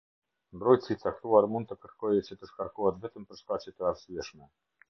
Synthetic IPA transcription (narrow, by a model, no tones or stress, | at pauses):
mbɾɔj̪t͡sit̪t͡s̪akt̪uaɾmund̪əkəɾt̪kɔjɛt͡ɕɛt̪əʃkaɾkuat̪vɛt̪əmpəɾʂt̪at͡ɕɛt̪əaɾsiɛʃmɛ